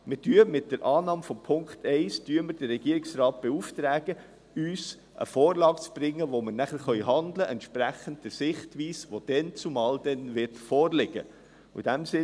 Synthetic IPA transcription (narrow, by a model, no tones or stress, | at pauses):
mɪd̥yːəmɪt̚d̥əɾʔɑːnɑːmfɔmpʰʊŋktɛɪsd̥yːəməɾd̥əɾːɛɡ̥iəɾɪksrɑːt̚b̥ɛuft̪ɾæːɡ̥ə | yːs | ʔə̰foːɾlɑːkt͡sb̥ɾɪŋːəʋoməɾnæχəɾχœʏɦɑnd̪ləʔɛntʃpɾæχən̩t̚d̥əɾsɪχtʋiːsʋod̥ɛnt͡sumɑːld̪ɛnʋɪɾtfɔːɾlɪɡ̥ə̰ | ṵd̥æmsɪ